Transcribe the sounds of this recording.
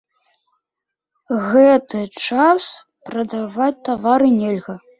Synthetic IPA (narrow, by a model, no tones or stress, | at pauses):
ɣɛt̪ɨt͡ʂas | pɾɐd̪avat͡sʲt̪avaɾɨnʲɛlʲɣɐ